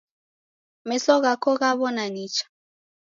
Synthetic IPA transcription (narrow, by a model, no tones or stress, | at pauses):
mɛsɔɣakɔɣaβɔnaɲit͡ʃḁ